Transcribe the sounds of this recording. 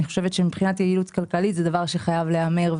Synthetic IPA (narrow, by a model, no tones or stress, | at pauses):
niχo̞ʃe̞vet̪ʃemipχinat̪jeilutkalkalitzɛd̪avaʁʃeχajavleame̞ʁv